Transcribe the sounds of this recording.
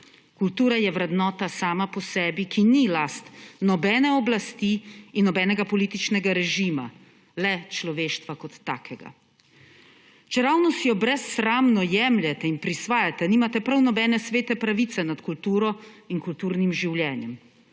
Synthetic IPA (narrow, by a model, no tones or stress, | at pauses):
kult̪uːɾajɛʋɾɛd̪nɔːt̪asaːmapɔsɛːbikinilast̪nɔbɛːnɛɔblast̪iːnːɔbɛːnɛɡapɔliːt̪it͡ʃnɛɡaɾɛʒima | lɛt͡ʃlɔʋeːʃt̪ʋakɔt̪ːa̰ːkʰɛɡa̰ | t͡ʃɛɾawnɔsijɔbɾɛsːɾaːmnɔjɛmljɛt̪ɛinpɾisʋaːjat̪ɛniːmat̪ɛpɾawnɔbɛːnɛsʋeːt̪ɛpɾaʋit̪sɛnat̪kult̪uːɾɔinkult̪uːɾnimʒiwljɛːnjɛm